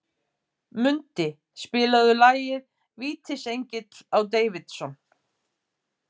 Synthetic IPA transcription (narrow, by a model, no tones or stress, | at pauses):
mʏnt̪ɪ | spɪːlaðʏlaːjɪɾ̥ | viːt̪ʰɪsejɲcɪt̪lawt̪̬eːjvɪt̪sɔn